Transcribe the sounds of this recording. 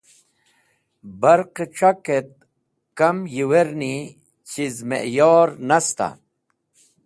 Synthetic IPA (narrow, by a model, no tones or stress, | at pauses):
bɐɾqeʈ͡ʂaket̪̚ | kɐmjiweɾni | t͡ɕizmḛʔjɔːɾnɐst̪a̰